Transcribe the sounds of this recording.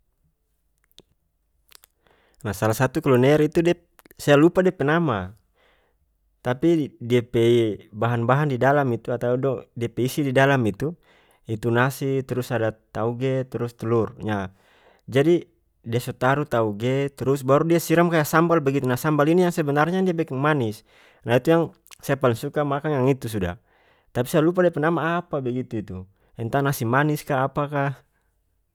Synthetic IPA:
nahsalasat̪ukɔlɔnɛɾit̪udɛ | saalupadɛpɛnama | t̪apidiapɛibaɦanbaɦandidalamit̪uat̪audɔdiepɛisididalamit̪u | it̪unasit̪ɾusadat̪auɡɛt̪ɾust̪ulurɲa | d͡ʒadi | diasɔt̪aɾut̪auɡɛt̪ɾusbaɾudiasiɾamkajasambalbɛɡit̪unasambalinijaŋsɛbɛnarɲadiabɛkɛŋmanis | nait̪ujaŋ | sɛpaliŋsukamakaŋjaŋit̪us̬uda̰ | t̪api̥sajalup̬adiapɛnamaːpabɛɡit̪uit̪u | ɛnt̪anasimaniskaːpaka

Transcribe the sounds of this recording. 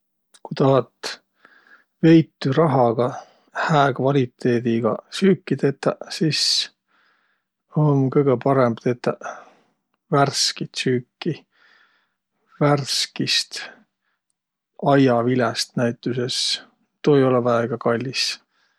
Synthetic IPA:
kujt̪ɑɦɑt̪ | ve̞jt̪ːyɾɑɦɑɡ̥ɑ | hæːkvɑlʲit̪ːˑe̞ːd̪̥iɡ̥ɑsyːkːˑit̪et̪ːɑsis | onkɤjɡepɑɾembt̪et̪ːɑ | værskit̪syːkːi | værskist̪ | ɑjɑvilɛst̪næjt̪ːˑuse̞s | t̪oːejo̞levɑeɡ̥ɑkɑlʲːis

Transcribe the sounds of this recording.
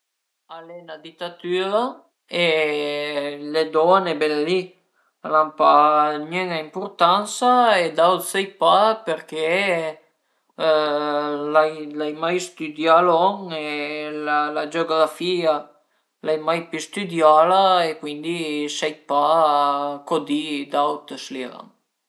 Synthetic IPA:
alɛnad̪it̪ːat̪yːɾa | e | led̪ɔnebɛlali | alampanɛŋaimpurt̪ansaed̪awsɛjpapeɾk̟e | lajlajmajst̪yd̪jalɔŋelalad͡ʒoɡɾafia | lajmajpist̪yd̪jalaekwind̪isɛjpa | kod̪id̪awt̪sliɾa̰ŋ

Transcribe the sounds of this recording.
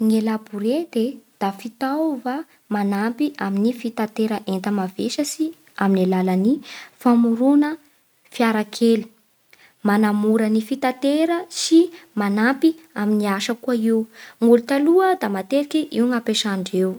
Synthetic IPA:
ŋelabuɾed̪ed̪̥afit̪awva | manampiʔaminifit̪at̪eɾəʔent̪əmaveʃəsi | aminilalənifamuɾunə | fiaɾakʰeli̥ | manamuɾənifit̪at̪eɾəsimanampiaminiaʃəkuaiwŋulut̪aluəd̪amat̪eɾikʲiʔiwŋapeʃaɳɖ͡ʐew

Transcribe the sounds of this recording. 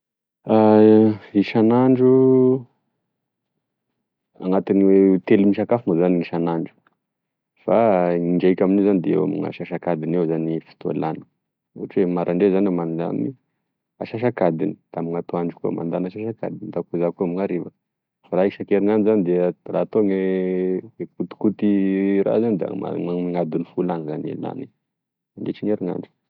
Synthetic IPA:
a | iʃanaɳɖ͡ʐu | a̰ŋat̪iniwet̪elimiʃakafunazaniŋiʃanaɳɖ͡ʐu̥ | faiɳɖ͡ʐakʲaminezanid̪eḛwa̰mḭŋa̰ʃaʃakad̪inewzanifi̥t̪ua̰lanə̥ | ṵʈ͡ʂuwemaɾʔaɳɖ͡ʐezanemand̪a̰ni | aʃaʃ̬akad̪ini̥d̪̥amiŋat̪oaɳɖ͡ʐukuə̰ma̰nd̪anaʃaʃaka̰d̪inid̪akuzakuamiŋaɾevə | faɾaiʃakeɾiŋanizanid̪eərat̪oŋe | kut̪i̥kut̪iɾa̰zanid̪a̰a̰aiŋad̪unifulanzanḛla̰ni | aɳɖ͡ʐeʈ͡ʂiŋeɾiŋa̰ɳɖ͡ʐu̥

